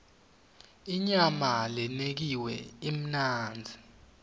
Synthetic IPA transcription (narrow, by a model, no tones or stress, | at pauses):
iɲamalɛnek̬iwɛim̩naːnd͡zʱi